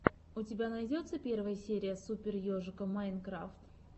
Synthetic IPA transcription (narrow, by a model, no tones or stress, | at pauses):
ʊtʲɪbʲanɐjdʲo̞t̪səpʲe̞rvəjəsʲeɾʲɪjəsupʲɪrjoʐɨkəmankɾaft̪